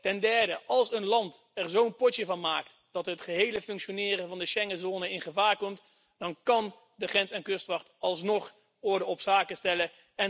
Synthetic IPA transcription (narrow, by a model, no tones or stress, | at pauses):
tɛndɛɹdəʔɑlˠsənlɑnt | ɛrzownpɔtjəvɑnmaːkt | d̥ɑtɦətχəɦejləfɵŋkʃonɪːrənvɑndəʃɛŋəzoːnəɪnχəvaːɹkɔmt | d̥ɑnkɑn | dəχrɛnsɛnkɵstʋɑχtɑlˠsnɔχ | ɔɹdəɔpsaːkəstɛlə | ɛ